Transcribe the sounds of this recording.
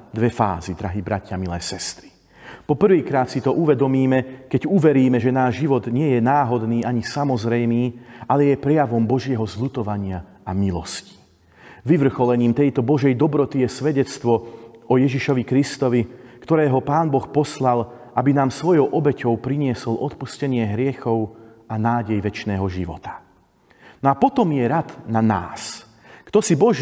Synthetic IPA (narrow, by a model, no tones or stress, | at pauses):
d̪ʋɛfa̰ːzid̪ɾaɦibɾa̰cɪamilɛːsɛst̪ɾi̥ | pɔpr̩ʋiːkɾaːt̪sit̪ɔʔuʋɛd̪ɔmiːmɛkɛɟuʋɛɾiːmɛʒɛnaːʒʒiʋɔd̪ɲɪɛjɛnaːɦɔd̪niːaɲisamɔzɾɛjmiːʔalɛjɛpɾɛjaʋɔmbɔʒɪɛɦɔzʎut̪ɔʋaɲɪa | amilɔsci̥ | ʋiʋr̩xɔlɛɲiːmt̪ɛjt̪ɔbɔʒɛjd̪ɔbɾɔt̪ijɛsʋɛɟɛt͡st̪ʋɔʔɔjɛʒiʃɔʋikɾist̪ɔʋikt̪ɔɾɛːɦɔpaːnbɔxpɔslal | ʔabinaːmsʋɔjɔʊʔɔbɛcɔʊpɾiɲɪɛsɔlʔɔt̪puscɛɲɪɛɦɾɪɛxɔʊ | anaːɟɛjʋɛt͡ʃnɛːɦɔʒiʋɔ̰t̪ḁ | nɔapɔt̪ɔmjɛɾad̪nana̰ːs | kt̪ɔsibɔʒ